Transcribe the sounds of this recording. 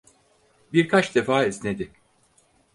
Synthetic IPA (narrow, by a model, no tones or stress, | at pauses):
biɾkʰat͡ʃd̪e̞faːizned̪ɪ